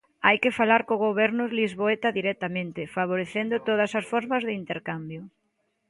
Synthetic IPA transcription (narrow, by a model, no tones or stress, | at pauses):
ajkɪfalaɾkoɣoβɛɾnʊlizβoet̪ɐðiɾɛt̪amẽnt̪ɪfaβ̞oɾeθend̪ʊt̪oð̞ɐsɐsfɔɾmɐzðɪint̪eɾkambjʊ